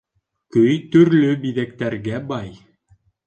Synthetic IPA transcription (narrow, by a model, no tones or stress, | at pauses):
kɵjt̪ɵ̆ɾlɵbiðæk̚t̪æɾɡæbɑj